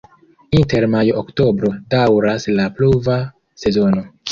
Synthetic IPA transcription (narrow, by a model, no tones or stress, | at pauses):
inte̞ɾmajoːkto̞bɾo̞dawɾaslapluva | se̞zo̞no̞